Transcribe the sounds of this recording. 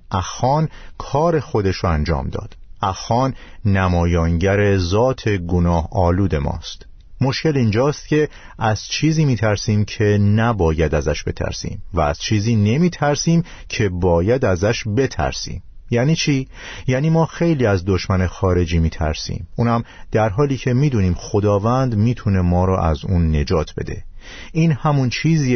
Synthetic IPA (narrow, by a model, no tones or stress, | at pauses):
ʔæxɒːnkʰɒːɾe̞xo̞d̪e̞ʃɾoænd͡ʒɒ̰ːmd̪ɒ̰ːd̪̥æxɒːnːæmɒːjɒːŋɟæɾe̞zɒːt̪ʰe̞ɡonɒːhɒːluːd̪e̞mɒ̰ːst̪ | mo̞ʃce̞lind͡ʒɒːst̪̚cʰe̞ | ʔæz̥t͡ʃʰiːziːmiːt̪ʰæɾsiːmcʰe̞næbɒːjæd̪æzæʃb̥e̞̰t̪ʰæ̰ɾsḭːmvæːz̥t͡ʃʰiːziːne̞miːt̪ʰæɾsiːm | cʰe̞bɒːjæd̪æzæʃbe̞t̪ʰæ̰ɾsḭːmjæːniːt͡ʃʰiː | jæːniːmɒːxe̞jliːæzd̪o̞ʃmænexɒːɾe̞d͡ʒiːmiːt̪ʰæ̰ɾsḭːmuːnhæm | d̪̥æɾɦɒːliːcʰe̞miːd̪uːniːmxo̞d̪ɒːvænd̪miːt̪ʰune̞mɒːɾɔːʔæ̰zuːnːe̞d͡ʒɒːt̪ʰbe̞̰d̪e̞̰ | iːnhæmunt͡ʃʰiːziː